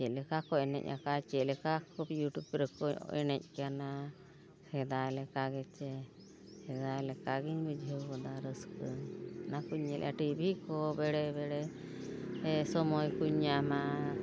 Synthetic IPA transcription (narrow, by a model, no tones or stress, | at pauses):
t͡ʃɛlɛkakɔɛnɛ̰c̚ʔa̰kat͡ʃɛlɛkakɔjuʈjub̚pɾəkɔ̰ʔɛ̰nɛc̚kana | hɛd̪alɛkaɡɛt͡ʃɛ | hɛd̪alɛkaɡiɲbid͡ʒʱəwɔd̪aɾəskənakuɲːɛlʔɛ̰ʔa̰ʈibʱikɔbɛɽɛbɛɽɛ | ɛsɔmɔjkuɲːama